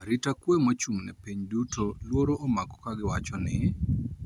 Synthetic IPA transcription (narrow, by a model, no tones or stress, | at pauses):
ɾitakwemot͡ʃuŋnɛ̰piɲdutʰolwoɾoʔomakɔ̥kaɡɪwat͡ʃɔnɪ